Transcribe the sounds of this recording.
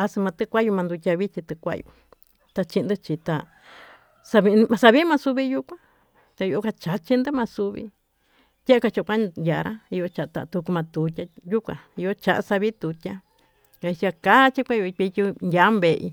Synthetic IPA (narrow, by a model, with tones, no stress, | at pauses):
a˧sɨ˧mã˧t̪ɨ˧kʷa˦ju˧mã˧nd̪u˧tʲa˧βi˦t͡ʃi˧t̪ɨ˧kʷa̰˦˧jṵ˧ | t̪a˧t͡ʃĩ˧nd̪ɨ˦t͡ʃi˧t̪a˧ | sa˧βi˧n˧mã˧sa˧βi˦mã˧su˧βi˧ju˧kʷã˧ | t̪a˧i˧o˧ka˧t͡ʃa˨t͡ʃi˦nd̪ɨ˦mã˧su˧βḭ˧ | t̪ʲa˦a˦ka˧t͡ʃa˧˨˧kʷa˦ja˨ɾa˦i˧jo˧t͡ʃa˧˨a˧t̪a̰˧t̪u˧ku˧mã˧t̪u˨tʲa˧ju˦kʷã̰˨i˧jo˦t͡ʃa˨ʔa̰˧sa˧βi˦t̪u˨tʲa˦ | ka˧i˧t͡ʃi˧a˧ka˦t͡ʃi˦kʷa˦jo˧i˧i˧tʲu˧nja˨˦mbe˧ʔḭ˧